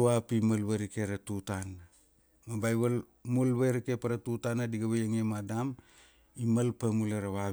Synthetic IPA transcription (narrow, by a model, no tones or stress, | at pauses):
apimalβeɾikeɾatutan | mabajβal | mulβejɾikepaɾatutanadiɡaβejaŋemadam | imalpamulaɾaβa